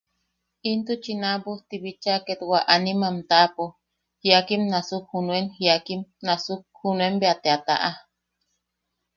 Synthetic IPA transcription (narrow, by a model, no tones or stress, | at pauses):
int̪ut͡ʃinabuht̪iβit͡ʃaket̪waʔanimamt̪apo | hiakimnasukhunuenhiakimnasuk̚hunuembeat̪eat̪a̰ʔa